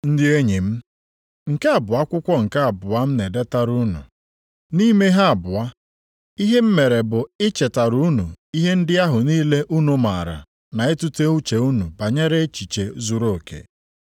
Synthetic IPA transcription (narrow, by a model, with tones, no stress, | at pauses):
n̩˦dɪ˦e˦ɲi˨m̩˦ | ŋ̩˨ka˦a˨bʊ˨a˦kʷʊ˦kʷɔ˦ŋ̩˨ka˦a˨bʊ˨a˦m̩˦ne˨de˦ta˨ɾu˦nṵ˨ | ni˦me˦ɦa˦a˨bʊ˨a˦ | i˦ɦe˦m̩˦me˨ɾe˨bʊ˨ɪ˦t͡ʃe˨ta˨ɾu˦u˦nu˨i˦ɦe˦n̩˦dɪ˦a˦ɦʊ˨niː˦le˦ʔu˦nu˨ma˨ɾa̰˨ | na˨e˦tu˦te˦u˦t͡ʃe˨u˦nu˨ba˨ɲe˦ɾe˦t͡ʃi˨t͡ʃe˨zu˨ɾo˦˨kḛ˨